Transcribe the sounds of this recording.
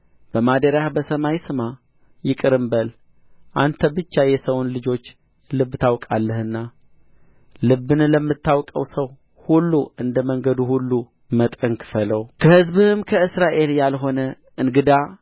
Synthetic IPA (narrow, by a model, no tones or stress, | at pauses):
b̥əmad̪əɾahbəsəmajsɨma | jɪkʼɨɾɨmbəl | ʔant̪ʰəbɨt͡ʃːajɛsəwnlɨd͡ʒo̞t͡ʃː | lɨbːt̪ʰawkʼalːəhɨnːa | lɨbːɨnləmːɨt̪ːawkʼə̰wsəw | hulːuɨnd̪əməŋɡəd̪uhulːu | mət̪ʼəŋkfələwkʰəhɨzbɨhɨmkʰəɨsɾaʔe̞ljalɦo̞nə | ɨnɡɨd̪a